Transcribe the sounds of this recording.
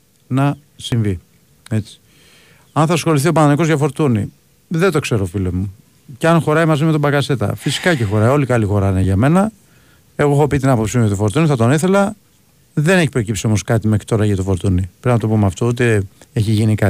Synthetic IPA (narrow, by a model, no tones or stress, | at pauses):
nɐ | siɱvi | e̞t͡si̥ | ɐnθɐsxo̞liθio̞pɐnɐniko̞zʝɐfo̞ɾt̪unḭ | ðet̪o̞kse̞ɾo̞filomu | ceɐnxo̞ɾɐimɐzime̞t̪obɐkɐse̞t̪ɐ̰fisi̥kɐcexo̞ɾɐjo̞likɐlixo̞ɾɐineʝɐme̞nɐ | e̞ɣoexo̞pit̪inɐpopsimeot̪ofo̞ɾt̪uniθɐt̪oneθe̞lɐ | ðe̞neçipɾo̞cipsiomo̞skɐt̪imexɾi̥t̪o̞ɾɐʝɐt̪ofo̞ɾt̪unipɾinznɐt̪o̞pomeɐft̪o̞ut̪eeçiʝinikɐ